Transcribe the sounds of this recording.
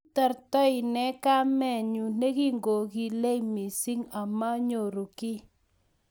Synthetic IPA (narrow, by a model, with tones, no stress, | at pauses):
ta˨ɾtɔ˦ɪ˨nɛ˦ka˦mɛ˦˨ɲu˨ne˦ki˦ŋɡo˨ki˨le˦i˨mi˨si˦ŋa˨ma˦ɲo˨ɾu˨kɪ˦